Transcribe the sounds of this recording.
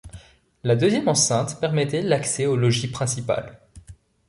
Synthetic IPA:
lad̪øzjɛmɑ̃sɛ̃t̪pɛʁmɛt̪ɛlaksɛolɔʒipχɛ̃sipa̰l

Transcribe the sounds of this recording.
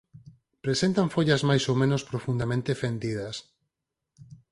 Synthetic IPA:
pɾesẽnt̪aɱfoʎazmajsomẽnospɾofund̪amẽnt̪efend̪ið̞ɐs

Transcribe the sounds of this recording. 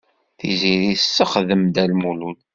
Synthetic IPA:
θḭziɾisːəχðəmd̪ælmulul

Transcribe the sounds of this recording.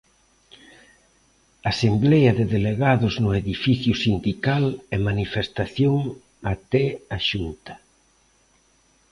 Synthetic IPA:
aːsemblɛjɐðeðeleɣaðʊznʊeðifiθjʊsind̪ikalɛmanifest̪aθjoŋ | at̪ɛaʃunt̪ɐ̥

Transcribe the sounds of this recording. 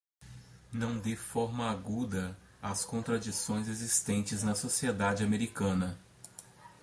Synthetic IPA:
nɐ̃w̃d̪efɔɾmɐaɡud̪ɐ | askõnt̪ɾad͡ʒisõj̃zezist̪ẽnt͡ʃɪznɐsosied̪ad͡ʒɪameɾikɐ̃nɐ

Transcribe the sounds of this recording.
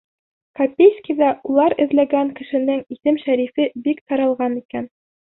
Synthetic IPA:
kɐpʲejskʲiðæʔulˠɑɾɘ̆ðlæɡæŋkɘ̆ʃɘ̆nɘŋiθɘmʃæɾifɘbikt̪ɑɾɑlˠʁɑnikæn

